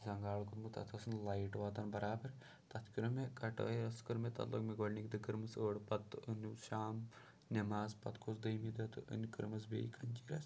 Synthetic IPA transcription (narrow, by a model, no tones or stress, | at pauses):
zɐŋɡaːɭkut̪mɨt̪ɐ̰t̪ʰɐsɨnlɐjʈʋaːt̪ɐnbɐɾaːbɐɾ | t̪ɐt̪ʰkʲiɾɐmekɐʈɐ̰ɾɐskɨɾmet̪ɐ̰lo̰kmeɡoɽnikd̪ɨkɨɾmɨsəːɽpɐt̪ːɨɨnuʃaːm | nemaːzpɐt̪kʰosd̪ɐjmid̪ɐt̪ɨʔɨ̰nkɨɾmɐsbḛːjkʰɐnʲt͡ʃiːɾɐs